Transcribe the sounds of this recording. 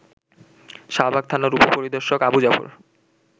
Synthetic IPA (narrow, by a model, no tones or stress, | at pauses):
ʃabʱaɡ̚t̪ʰanoɾupopoɾid̪oɾʃokabud͡ʑafo̰ɾ